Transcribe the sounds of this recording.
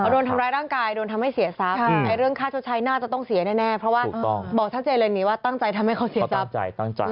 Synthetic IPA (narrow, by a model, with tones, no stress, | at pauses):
doː˧nt̪ʰa˧mɾaː˧jɾaː˥˩ŋkaː˧jdoː˧nt̪ʰa˧mha˥˩jsi˩˦ɐsa˦˥p̪̚ɛː˧˩ɾɯ˥˩əŋkʰaː˥˩t͡ɕʰa˥˩t͡ɕʰa˧jnaː˥˩t͡ɕa˨˩t̪ɔ˥˩ŋsi˨˩˦nɛː˥˩nɛː˥˩pʰɾɔ˧˦˥wa̰ː˥˩˨ŋbɔː˨˩k̚t̪ʰa˥˩t͡ɕeː˧lɤː˧niː˨˥waː˥˩t̪a˥˩ŋt͡ɕa˧jt̪ʰa˧mha˥˩jka˧˥˩wsi˩˦˧sa˦˥t͡ɕa̰˧jt̪a˥˩ŋ˧